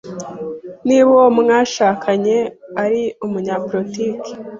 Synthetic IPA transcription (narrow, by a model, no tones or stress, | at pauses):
niβomŋaːʃakʰaɲe̞aɾiumuɲaːpoɾotiki̥